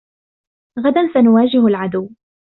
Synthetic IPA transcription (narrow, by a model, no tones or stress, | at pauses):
ɣad̪ansanʊwaːd͡ʒɪhʊlʕad̪ʊwː